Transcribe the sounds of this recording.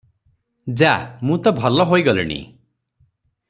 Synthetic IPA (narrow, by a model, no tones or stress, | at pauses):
d͡ʒamũt̪ɔbʱɔlɔɦojɡɔlḭnḭ